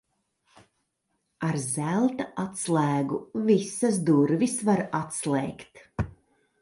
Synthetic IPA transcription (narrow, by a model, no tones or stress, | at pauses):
aɾzælˠt̪aat̪slˠæːɡuvisas̬d̪uɾvisvaɾat̪slˠɛjkt̪